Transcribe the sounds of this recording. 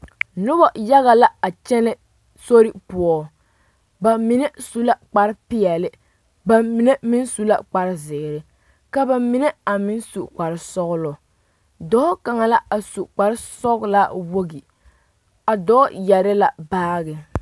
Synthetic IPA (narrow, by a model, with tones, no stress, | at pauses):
nʊ˦bɔ˨ja˦ɣa˨la˦a˨t͡ʃɛ˦nɛ˦ | so˦ɾɪ˦pʊ˦ɔ˦ | ba˨mi˨ne˦su˦la˦k͡pa˨ɾɪ˦pɪ˦ɛ˨lɪ˦ | ba˨mi˨ne˦mɪ˦nsu˦la̰˦k͡pa˨ɾɪ˦zɪ˨ɾɪ˨˦ | ka˨ba˨mi˨˦ne˦a˨mɪ˦nsu˨k͡pa˨ɾɪ˦sɔ˦ɣʊ˦lɔ˨ | dɔ˦ɔ˦ka˨ŋa˨la˦a˨su˨k͡pa˨ɾɪ˦sɔ˦ɣla˦wo˦ɡi˨ | a˨dɔː˦jɛ˨ɾɪ˦la˨baː˦ɣɪ˨